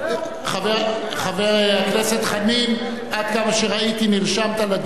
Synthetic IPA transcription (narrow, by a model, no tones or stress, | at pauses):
χave | χaveʁakneset̪χamim | ad̪̚kamaʃeʁait̪iniʁʃamt̪alad̪